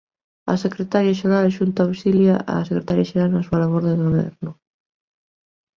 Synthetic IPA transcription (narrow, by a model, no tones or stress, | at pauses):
ɐ̰sekɾet̪aɾjaʃ̬eɾalʃunt̪aawsiljaʔa̰sekɾet̪aɾjaʃeɾalnɐsualaβoɾðeðeɣoβɛ̰ɾnʊ